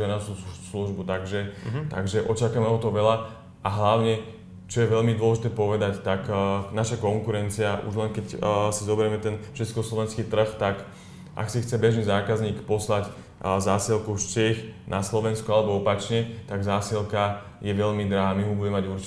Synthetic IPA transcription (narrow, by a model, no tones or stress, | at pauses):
anasusluʒbut̪aɡʒɛt̪a̰ɡʒɛʔɔt͡ʃakamɛɦɔt̪ɔʋɛʎa | ʔaɦlaʊɲɛ | t͡ʃɔjɛʋɛʎmid̪ʊɔlɛʒit̪ɛːpɔʋɛd̪act̪aknaʃakɔŋkuɾɛnt͡siaʔṵʒlɛnkɛcsizɔbɛɾɛmɛt̪ɛnft͡ʃɛt͡skɔslɔʋɛnskiːt̪r̩xt̪ak | ʔa̰ksixt͡sɛbɛʒniːzaːkazɲiːkpɔslac | zaːsilkuft͡ʃɛxnʔaslɔʋɛnskɔalɛbɔɔpat͡ʃɲɛt̪aɡzaːsilka | jɛʋɛʎmid̪ɾaɦaːmiɦɔbuɟɛmɛmaɟuɾt͡ʃ